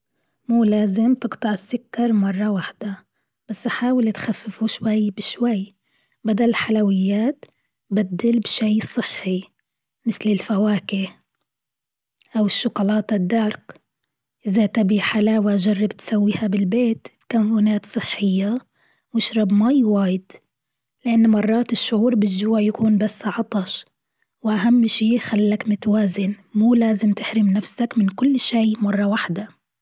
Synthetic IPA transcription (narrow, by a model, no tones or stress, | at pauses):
muːlaːzɪmt̪ɨqt̪ˤɑʕɪsːʊkːɑɾˤmɑrˤːɑwaħd̪̥a | b̥asːʔaħaːwɪlt̪xafːɪfuʃwajːbɪʃwajː | bad̪allħalawɪjːaːt̪ | bad̪ːɪlbʃajsˤɨħːi | mɪθlɪlfawaːkɪh | ʔawɪʃːʊqʊlɑːt̪ɪd̪ːɑɾˤk | ʔɪzat̪abiːħalaːwaʒɑrˤːɑbt̪sawːiːhabɪlbeːt̪bkamfuːnaːt̪sˤɨħːɪjːa | wɪʃɾˤɑbmajwaːjɪd̪ | lɪʔanːmɑrˤːɑːt̪ɪʃːʊʕuːɾbɪd͡ʒːuːʕjakuːnbasːʕɑt̪ˤɑʃ | wɪʔaɦamːʃiːxalːakmʊt̪waːzɪnmuːlaːzɪmt̪ɪħɾɪmnafsakmɪnkʊlːʃiːmɑrˤːɑwaħd̪a